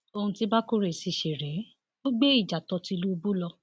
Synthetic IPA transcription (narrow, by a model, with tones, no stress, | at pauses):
o˧hũ˧ti˧˦ba˦ku˦ɾe˨si˨˧˨ʃe˨ɾɛ˨˦ | o˦ɡ͡be˦i˦˨d͡ʒa˨tɔ˧ti˧lu˦o˧bu˦lɔ˧